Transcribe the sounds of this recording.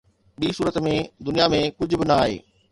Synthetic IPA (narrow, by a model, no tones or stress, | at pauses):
ɓiːsuːɾət̪mẽd̪ʊnijamẽkʊd͡ʑʱʊbɪnɐaːɦḛː